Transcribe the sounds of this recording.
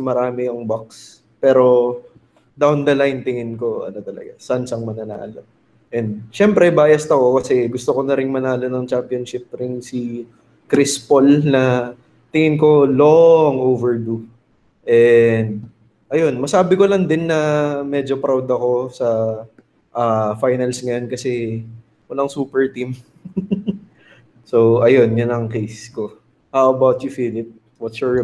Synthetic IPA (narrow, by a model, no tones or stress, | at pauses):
mɐɾaːmɪjʊŋbak̚s | pɛːɾo̞ | d̪awnd̪ɐlajnt̪ɪŋɪnko̞ɐ̰not̪ɐlɐ̰ɡasansɐŋmɐnɐna̰ːlo̰ | ʔɛnd̪̚ʃɛmpɾɛbaːjɐst̪ɐko̞kɐsɛɡʊst̪okonɐɾɪŋmɐnaːlo̞nɐŋt͡ʃampionʃɪp̚ɾɪnsi | kɾɪspolnɐ | t̪ɪŋɪnko̞loŋʔoːvɛɹd̪u | ʔɛnd̪̚ | ʔɐjo̞nmɐsaːbɪko̞lɐŋd̪ɪnːɐmɛːd͡ʒopɾawd̪ɐko̞sɐ | ʔafajnɐlsŋɐjo̞nkɐsɛ | wɐlaŋsuːpɛɹt̪im | soʔɐjo̞njʊnɐŋkejsko | hawɐbawt̪jʊfiːlɪp̚ | wɐt̪ʃuɹ